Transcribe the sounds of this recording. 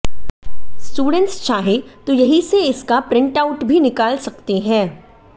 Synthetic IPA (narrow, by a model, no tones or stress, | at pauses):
sʈuːɖə̃ɳʈst͡ʃaːɦet̪ojɐɦiseɪskapɾɪ̃ɳʈaʊʈbʱinɪkaːlsɐkt̪eɦɛ̃ː